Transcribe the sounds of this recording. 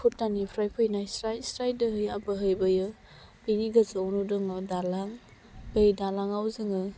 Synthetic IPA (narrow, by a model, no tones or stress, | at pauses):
pʰutːanipʰɾajpʰɯjnajsɾajsɾaj̚dɯɦɯjabɯɦɯjbɯjɯ | biniɡazɔwnudɯŋɯdalaŋ | bejdalaŋawzɯŋɯ